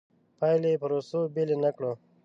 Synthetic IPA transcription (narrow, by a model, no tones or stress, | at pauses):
pajlepəɾosobelenakɽo